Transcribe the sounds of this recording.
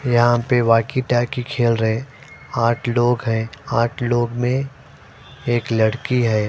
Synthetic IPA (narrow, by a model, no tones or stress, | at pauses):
jɐɦãpeʋaːkiʈɛːkikʰeːlɾəɦẽ | aːʈʰloːɡɦɛ̃aːʈʰloːɡmẽ | eːklɐɽkiɦɛː